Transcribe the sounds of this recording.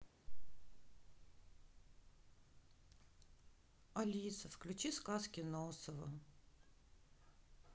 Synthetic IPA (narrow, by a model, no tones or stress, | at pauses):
ɐlʲit̪səfklʲʉt͡ɕiskaskʲɪnosəvə̰